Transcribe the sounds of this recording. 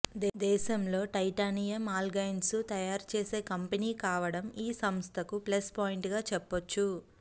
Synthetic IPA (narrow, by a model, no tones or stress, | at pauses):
d̪d̪ɛːʃɐmlo̞ːʈɐjʈaːnijɐmaːlɡɐjnsut̪ɐjaːɾt͡ʃe̞ːse̞ːkɐmpeniːkaːʋɐɽɐmiːsɐmst̪ʰɐkuplespaːjiɳʈɡaːt͡ʃɛpːot͡ʃːu